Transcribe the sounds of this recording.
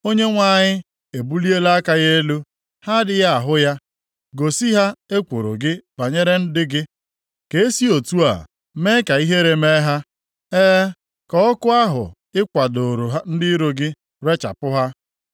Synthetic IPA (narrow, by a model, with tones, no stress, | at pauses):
o˦ɲe˦ŋʷa˨ɲɪ˦ | e˨bu˦li˦e˦la˦a˦ka˦ɣe˦e˦lu˦ | ha˦dɪ˦˨ja˦a˨ɦʊ˦ja˦ | ɡo˨si˦ɦa˦e˦kʷo˨ɾo̰˨ɡɪ˦ba˨ɲe˦ɾe˦n̩˦dɪ˦ɡɪ˦ | ke˨e˦si˦o˨tu˦a̰˨ | me˦ka˨i˦ɦe˦ɾe˨me˦ɦa˦ | eː˦ | kɔ˦ɔ˦kʊ˦a˦ɦʊ̰˨ | ɪ˦kʷa˨do˨ɾo˨ɦa˦n̩˦dɪ˦ɾo˨ɡɪ˦ | ɾe˦t͡ʃa̰˨pʊ˦ɦa˦